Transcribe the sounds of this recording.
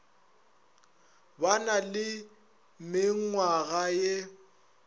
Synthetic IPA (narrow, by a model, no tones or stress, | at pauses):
banalɪ | mɪŋ̩ŋwaɣaje